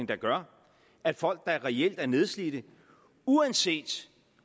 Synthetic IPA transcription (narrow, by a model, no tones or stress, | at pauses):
ŋd̥ɑ̈ɡ̥ɶɐ | æd̥fɒ̽l̰ɡ̥̚d̥ɑ̈æɐʁɛel̰d̥æɐne̝ð̞ˠslid̥ə | uænse̝̰ːd̥